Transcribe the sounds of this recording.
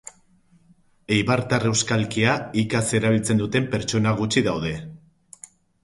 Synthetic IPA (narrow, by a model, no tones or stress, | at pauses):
ejβaɾt̪are̞wskalkiaikase̞ɾaβ̞ilt͡se̞nd̪ut̪e̞mpe̞ɾt͡ʃo̞naɣ̞ut͡ʃiðawð̞e̞